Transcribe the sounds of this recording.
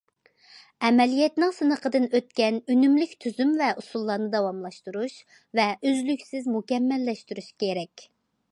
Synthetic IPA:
ɛmɛlijɛt̪nɨŋsɨnəqʰəd̪ɨnøt̪̚kʲɛnynymlykʲt̪ʰyzymvɛʔusulˠːɑːnɨd̪ɑwɑmlˠɑʃt̪uɾuʃ | vɛʔøzlykʲsɪzmukʲɛmːɛlːɛʃt̪yɾyʃkʲeɾɛkʲ

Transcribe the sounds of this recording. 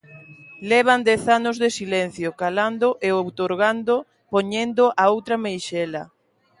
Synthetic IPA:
lɛβ̞and̪ɛθanʊzðesilɛn̟θjokaland̪ʊʔeowt̪oɾɣ̞and̪o | poɲend̪oʔaowt̪ɾɐmejʃɛla

